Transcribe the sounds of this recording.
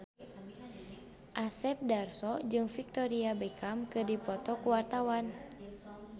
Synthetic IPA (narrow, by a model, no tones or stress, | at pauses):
ʔasɛp̚darsɔd͡ʒɨŋfik̚t̪ɔɾiabɛkamkɨdipɔt̪ɔkuwart̪awan